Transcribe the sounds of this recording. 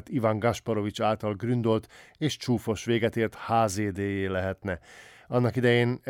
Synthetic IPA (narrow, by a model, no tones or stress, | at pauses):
t̪ivaŋɡɒʃpɒɾo̞vit͡ʃaːlt̪ɒlɡrynd̪olt̪eːʃt͡ʃuːfo̞ʃʋeːɡɛt̪eːrt̪haːzeːd̪eːjeːlɛɦɛt̪nɛ | ɒnːɒkid̪ɛjeːn